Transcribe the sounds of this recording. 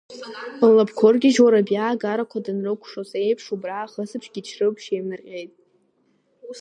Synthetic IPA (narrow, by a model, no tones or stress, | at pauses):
lapʰkʷʰorɡʲɪʒoɾabjaːɡaɾakʷʰadɨnrɨkʷʰʂozejpʰʂubraːχəsɨpʰʂɡ̥ʲit͡ʃʰrɨpʷʼʰʃemɨrqʲʼe̞jtʼ